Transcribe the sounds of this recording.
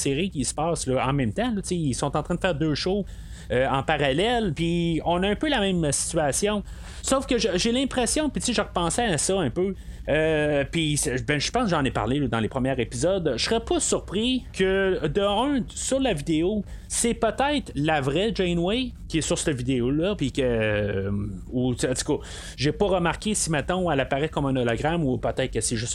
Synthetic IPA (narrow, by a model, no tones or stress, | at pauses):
seʁikʲisə̥pɑːslɔɑ̰̃mɛ̃mt̪ãlɔt͡seilsɔ̃t̪ɑ̃t̪ʁɛ̃d̪əfɛːʁd̪øːʃoz | øɑ̃paʁalɛlpiɔ̃naɛ̃ːpølamɛ̃msi̥t̪t͡sɥasjɔ̃ | sofkəʒəʒelɛ̃pχesjɔ̃pit̪seʒəʁpɑ̃sɛasɔœ̃pø | øpisbɛ̃ʒəpɑ̃sʒɑ̃nepa̰ʁlelɔd̪ɑ̃lepʁəmjɛːʁepizɔd̪sʁɛpʰɔsyʁpʁikʲʰəd̪əœ̃syʁlavid̪eo | sɛpət̪ɛɪt̪lavʁɛd͡ʒɛnwɛkʲiɛsyʁst̪əvid̪eolʌpikʲə | ueɑ̃t̪y̥kɔ | ʒepɔʁəmaʁkʲesimɛt̪ɔ̃alapaʁɛkɔmɛ̃nɔlɔɡʁamupət̪ɛɪt̪̚kəseʒʏs